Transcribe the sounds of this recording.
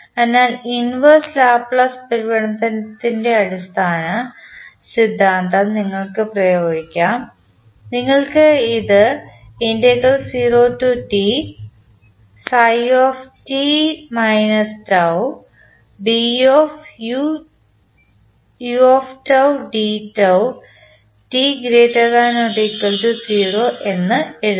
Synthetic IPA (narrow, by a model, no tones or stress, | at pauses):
ɐnːaːlinʋɐrslaːpɭɐspɐɾubɐɳɐmt̪ɐnɐt̪ːinde̞ɐɽist̪ʰaːnɐ | sid̪ʱːaːnt̪ɐniŋːɐɭkɨprɐjoːɡikʲːaːm | niŋːɐɭkɨiðɨ | endɐkːɐlsiːroːtːuʈi | sɐjoːftimɐjnɐstɐw | bioːfu | juoːftɐwɖiːtːɐw | ʈiɡɾeːtːɐɾaːnoʈikːɐltusiːroːʔe̞nːɨeɽu